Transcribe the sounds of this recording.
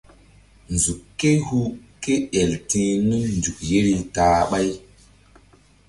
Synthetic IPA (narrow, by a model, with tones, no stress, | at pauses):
nzu˨e˦hu˦ke˦e˨ltĩ˦nu˦mndu˨k̚je˦ɾi˦taː˨ɓa˦j